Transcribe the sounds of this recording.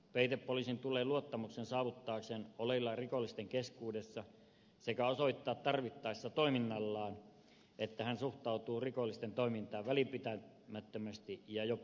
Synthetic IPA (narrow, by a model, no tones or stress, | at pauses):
peit̪eppolisint̪ulˑeːluot̪ːɑmuksensɑːʋut̪ːɑːksenolelːɑrikolːist̪eŋkeskuːdesːɑ | sekæosoit̪ːɑːt̪t̪ɑrʋit̪ːɑisːɑt̪oiminːɑlːɑːn | et̪ːæhænsuht̪ɑut̪uːrikolːˑist̪ent̪oimint̪ɑːʋʋælipit̪æ | mæt̪ːømæst̪ijɑjo